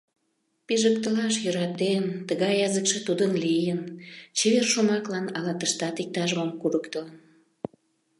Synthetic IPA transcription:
piʒək̚t̪əlɑʃjøɾɑt̪ent̪əɣɑjːɑzəkʃĕt̪ud̪ənlijənt͡ɕeβerʃomɑklɑnɑlɑt̪əʃt̪ɑt̪ik̚t̪ɑʒmomkuɾəkt̪ələn

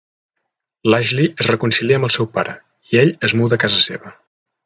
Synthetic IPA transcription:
laʒliʔəzrəkunsiliəmbəlˠsɛwpaɾə | ieʎəzmuðəkazəsḛβə

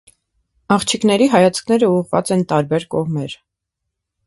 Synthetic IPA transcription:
ɑχt͡ʃʰiknɛɾiɦɑjɑt͡sʰkʰnɛɾəuʁvɑ̰t͡sɛnt̪ɑɾbɛɾkɔʁmɛɾ

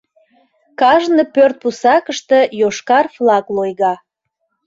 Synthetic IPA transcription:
kɑʒnəpørt̪̚pusɑkəʃt̪əjoʃkɑrflɑklojɣɑ

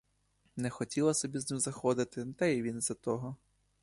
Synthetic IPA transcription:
nɛxɔtʲilˠɐsɔbʲiznɪmzɐxɔd̪ɪt̪ɪt̪aiʋʲinzɐt̪ɔɦɔ

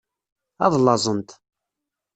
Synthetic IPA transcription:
ɑ̰ðˤlːɑzˤənt̪

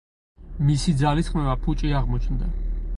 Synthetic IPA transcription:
misid̪zalisχmɛvapʰut͡ʃʼiaʁmɔt͡ʃʰnd̪a̰

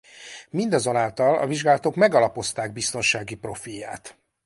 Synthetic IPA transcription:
mind̪ɒzo̞naːlt̪ɒlɒ̰viʒɡaːlɒt̪o̞kmɛɡɒlɒpo̞st̪aːɡ̚bist̪o̞nʃaːɡipro̞fijːa̰ːt̪

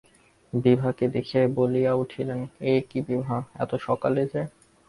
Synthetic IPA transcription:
bibʱaked̪ekʰebolijauʈʰilenekibibʱaɛ̰t̪oʃɔkaled͡ʑe

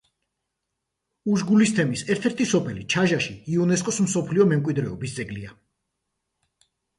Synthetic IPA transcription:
uʒɡulist̪ʰɛmisɛɾt̪ʰɛɾt̪ʰisɔpʰɛlit͡ʃʰaʒaʃiiɔnɛskʼɔsm̩sɔpʰliɔmɛmkʼwid̪ɾɛɔbisd̪zɛɡlia

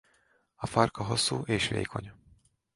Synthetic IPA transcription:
ɒfɒrkɒɦo̞sːuːʔeːʃʋḛːkʰo̞ɲ

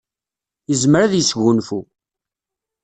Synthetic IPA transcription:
jəzmɾaðjəsʝʊnfu

